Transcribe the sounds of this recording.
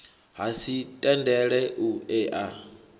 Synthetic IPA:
ɦasitʼɛndɛɺɛʔuɛːʔa

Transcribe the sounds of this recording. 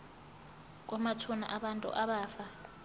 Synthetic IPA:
k̬ʼɔmatʰuna̰ʔaɓantʼṵʔaɓaːfa

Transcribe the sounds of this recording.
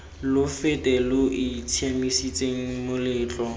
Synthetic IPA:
lʊfɪtʼɛlʊʔit͡sʰjamisit͡sʼeŋ̩mʊlɪːt͡ɬʼɔ

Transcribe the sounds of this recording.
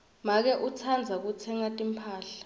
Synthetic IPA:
mak̬ɛʔut͡sʰand͡zʱak̬ut͡sʰɛŋatʼimpʰaːɬḁ

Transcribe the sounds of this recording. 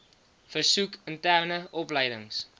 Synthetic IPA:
fərsukəntærnəʔɔpləjdəŋs

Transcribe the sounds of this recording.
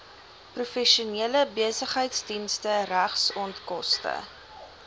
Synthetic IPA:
prufɛʃuniələbiəsəχɦəjtsdinstəræχsɔntkɔstə̰

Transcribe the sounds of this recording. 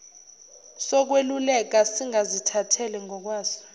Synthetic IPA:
sɔk̬welulɛk̬asiŋazitʰatʰɛlɛŋɔk̬waːzɔ̥

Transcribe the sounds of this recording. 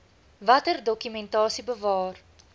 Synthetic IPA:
vɐtərdɔkymɛntɑːsibəvɑːr

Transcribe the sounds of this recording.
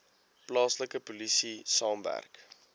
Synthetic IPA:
plɑːsləkəpulisisɑːmvæ̰rk

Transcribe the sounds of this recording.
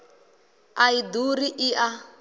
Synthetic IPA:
aiduɾiʔiʔa

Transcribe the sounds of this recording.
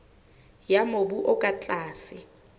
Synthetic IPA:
jamobuʔɔkʼat͡ɬʼaːsɪ

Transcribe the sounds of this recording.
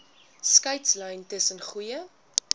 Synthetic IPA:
skɐɥtslœjntəsənχujə

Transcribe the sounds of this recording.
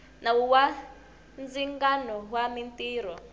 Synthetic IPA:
nawuwa | nd͡ziŋɡanɔɦwamintiːɾɔ

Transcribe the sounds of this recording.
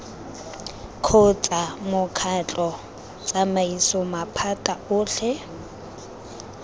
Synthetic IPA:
kʰʊt͡sʼamʊkʰat͡ɬʼɔ | t͡sʼamaisɔmapʰatʼaʊːɬɛ

